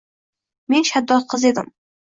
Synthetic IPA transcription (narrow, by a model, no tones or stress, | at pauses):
me̞nʃad̪ːɒlqʰɨze̞d̪ɪ̰m